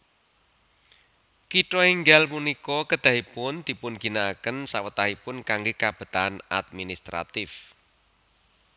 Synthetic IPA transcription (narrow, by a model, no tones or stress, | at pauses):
kiʈɔiŋɡalmunikɔkəd̪̥a̤ɦipʊnd̪̥i̤pʊnɡ̥i̤naːkənsawət̪aɦipʊnkaŋɡekab̥ə̤t̪ana̰d̪̚minist̪ɾa̰t̪ɪf